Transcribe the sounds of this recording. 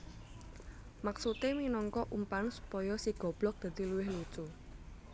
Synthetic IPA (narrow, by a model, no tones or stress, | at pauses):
maksut̪eminɔŋkɔʔumpansu̥pɔjɔsiɡ̥ɔ̤b̥lɔk̚d̪̥a̤d̪̥i̤luwɪhlu̥t͡ʃu